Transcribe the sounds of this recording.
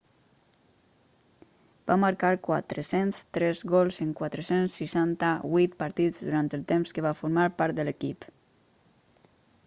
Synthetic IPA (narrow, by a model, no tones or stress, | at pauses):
b̥amaɾkaɾkwa̰t̪ɾəsenst̪ɾɛzɣɔlˠzəŋkwat̪ɾəsensːiʃant̪aβujt̪paɾt̪izðuɾant̪əlˠt̪emskəβafuɾmaɾpaɾt̪̚d̪ələkip